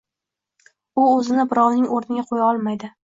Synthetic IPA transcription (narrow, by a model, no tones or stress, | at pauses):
ʊɵzɪnɪbɪɾɒwnɪŋoɾnɪɡʲaqʰojaɒlˠmajd̪ɪ